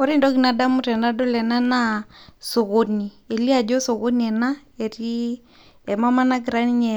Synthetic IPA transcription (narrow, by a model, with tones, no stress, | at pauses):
ɔ˦ɾi˦ndɔ˦ɡi˨na˨da˦mu˦ɾɛ˨na˦do˦lɛ˨na˦na˦so˨ɣo˨ni˨ | e˨li˦a˨d͡ʒo˦so˨ɣo˦niɛ˨na˦ | e˨ɾi˦ | ɛ˨ma˦ma˦na˦ɡɾa˦ni˦ɲɛ˨